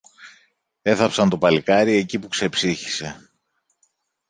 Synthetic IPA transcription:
e̞θɐpsɐnt̪o̞pɐlikɐɾie̞cipukse̞psiçi̥se̞

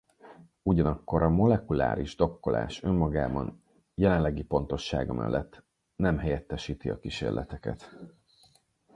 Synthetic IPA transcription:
uɟɒnɒkːo̞ɾɒmo̞lɛkula̰ːɾiʒd̪o̞kːo̞lʔa̰ːʃø̞mːɒɡaːbɒn | jɛlɛnlːɛɡipo̞nt̪o̞ʃːaːɡɒmʔɛ̰lːʔɛt̪ː | nɛmɦɛjɛt̪ːɛʃiːt̪iɒ̰kiʃeːrlʔɛt̪ɛkɛ̰t̪

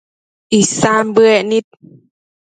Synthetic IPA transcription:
ʔisaːmbɯɛnit̪̚

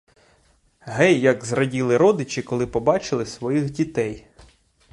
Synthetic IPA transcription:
ɦɛjːɐɡzrɐdʲilˠɪɾɔd̪ɪt͡ʃɪkɔlˠɪpɔbɑt͡ʃɪlˠɪsʋɔjixdʲit̪ɛj

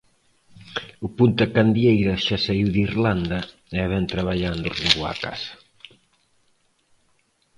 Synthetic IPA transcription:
ʊpunt̪ɐkand̪jejɾɐʃasaiwðiɾland̪ɐ | ɛβɛnt̪ɾaβaʎand̪ʊriŋbua̰ka̰sɐ̥

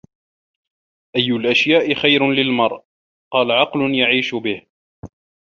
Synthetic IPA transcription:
ʔajːʊlʔaʃjaːʔɪxajɾʊlɪlmɑɾˤʔ | qɑːlaʕɑqlʊnjaʕiːʃʊbɪh

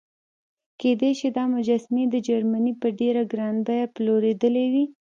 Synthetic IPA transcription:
ked̪eʃid̪ɑmʊd͡ʒasned̪əd͡ʒaɾmanipəɖeɾaɡɾɑnb̪ajaploɾed̪əlewi

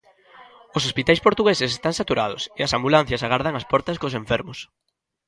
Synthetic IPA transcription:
osospit̪ajspoɾt̪uɣesɪsest̪aŋsat̪uɾað̞ʊ̰sɪɐsambulan̟θjɐsaɣaɾðɐŋɐspɔɾt̪ɐskosẽɱfɛɾmʊs

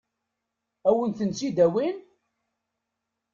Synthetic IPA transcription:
æwənθənsid̪æwin

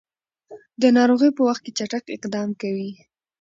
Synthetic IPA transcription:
d̪ənɑɾoɣəjpəwaxt̪̚ket͡ʃaʈakɪ̰qd̪ɑmkawi

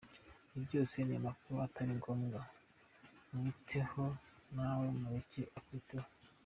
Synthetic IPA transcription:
ibɟo̞ːse̞nemakuatʰaɾiŋɡomɡa | mitʰe̞ho̞nawomuɾiciʔakuiteho

